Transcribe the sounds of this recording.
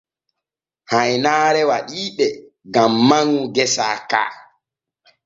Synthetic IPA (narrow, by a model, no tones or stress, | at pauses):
hajnaːɾɛwaɗiːɓɛ | ɡamːaŋːuɡɛsa̰ːka̰ː